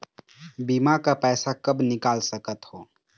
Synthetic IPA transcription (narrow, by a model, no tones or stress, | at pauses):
bimakapɛːsakəbnɪkaːlsəkət̪hoː